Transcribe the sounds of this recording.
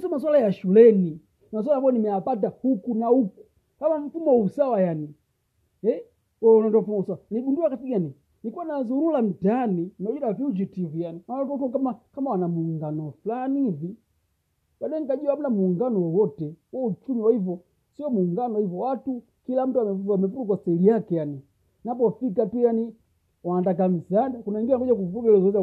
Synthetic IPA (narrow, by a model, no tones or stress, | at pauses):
sɔmas̬walajaʃulɛni | mas̬walakɔɔnimɛapat̬ahukunauku̥ | kamam̩fumɔusawajani | ɛ | ɔnɔndɔam̩fumɔusawaniɡunduakatiɡani | nikuwanazuɾulam̩taninɔd͡ʒuɾafuud͡ʒitivijaninankɔkɔkamakamawanamuŋɡanɔflanivi | ɓaɗɔɛŋkaɟuam̩unamuŋɡanɔwɔwɔtɛwɔut͡ʃumiwaivɔ | siɔmuŋɡanɔivɔwatu | kilam̩tuamɛamɛvutukwasɛlijakɛjani | nap̬ɔfikatujani | waːndak̬am̩sadakunaiŋɡilaŋɡɔd͡ʒak̬uvuɡɛlɛsɛza